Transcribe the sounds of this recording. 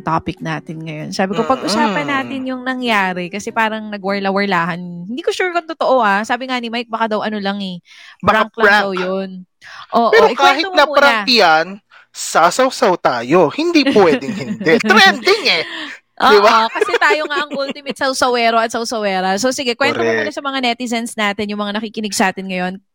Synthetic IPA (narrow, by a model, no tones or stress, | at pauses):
t̪aːpɪk̚naːt̪ɪnŋɐjo̞nsaːbɪkopɐɡʔʊsaːpɐnːaːt̪ɪnjʊŋnɐŋjaːɾɪkɐsɛpaːɾɐŋnɐɡwɐɹlɐwɐɹlaːɦɐnhɪnd̪iːkoʃuːɾkɐŋt̪ot̪oʔoʔasaːbɪŋanɪmajk̚bɐkad̪ɐwʔɐnolɐŋɛ | bɐɾaaŋklɐwjon | ʔoːʔpɛːɾoʔɪkaːhɪt̪onɐɐɾɐɐt̪ɪjɐn | sasɐwsɐwt̪aːjohɪnd̪ipwɛːd̪ɪŋhɪnd̪ɛt̪ɾɛnd̪ɪŋɛ | ʔod̪ɪbaokɐsɛt̪aːjoŋaʔɐŋult̪ɪmɪt̪̚sɐwsɐwɛːɾoɐt̪̚sɐwsɐwɛːɾɐsosɪɡɛkwɛnɾomomuːnɐsɐmɐŋanɛt̪ɪzɐnsnaːt̪ɪnjʊŋmɐŋanɐkiːkɪnɪɡsaːt̪ɪnŋɐjo̞n